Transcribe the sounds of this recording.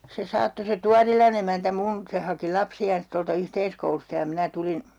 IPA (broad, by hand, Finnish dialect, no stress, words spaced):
se sɑːtːo se tuɑrilɑn emæntæ mun se hɑki lɑpsiɑːns toltɑ yhteiskoulustɑ jɑ minæ tulin